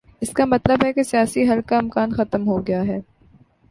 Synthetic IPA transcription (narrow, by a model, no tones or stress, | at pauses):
ɪskamɐt̪ləbɦɛkesijaːsiɦɐlkaɪmkaːnxɐt̪əmɦoɡɐjaɦɛː